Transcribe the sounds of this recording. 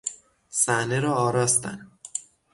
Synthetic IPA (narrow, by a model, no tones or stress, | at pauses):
sæhneɾɒːɒːɾɒːst̪æ̰n